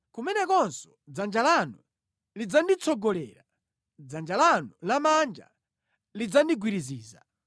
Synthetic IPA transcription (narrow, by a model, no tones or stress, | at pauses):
kumɛnɛkɔnsɔ̥d͡zand͡ʒalanu | lid͡zandit͡sʰɔɡɔlɛ̰ːɾa | d͡zand͡ʒalanulamand͡ʒa̰ | lid͡zandiɡwiɾiziːza